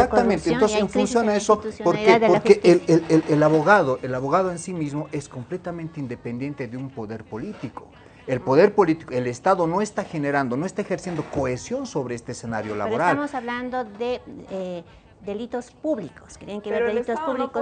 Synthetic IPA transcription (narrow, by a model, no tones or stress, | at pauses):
esak̚t̪amenenonsesfunsjonaesousjopoɾkepoɾkeʔeellelaβo̞ɣaðoʔelaβo̞ɣaðoensimizmo̞ʔe̞sko̞mple̞t̪ament̪eind̪e̞pend̪je̞nt̪e̞ðeumpo̞ðe̞ɾpo̞lit̪iko̞̰ | e̞lpo̞ðe̞ɾpo̞lit̪i̥koe̞le̞st̪aðo̞no̞e̞st̪axe̞ne̞ɾand̪o̞noe̞st̪aexe̞ɾsje̞nd̪o̞ko̞e̞sjo̞nso̞βɾe̞est̪eesenaɾjo̞la̰βoɾalamosaβland̪oðee | d̪elit̪ospuβlikoske̥t̪jenẽkeβeɾelit̪ospuβliko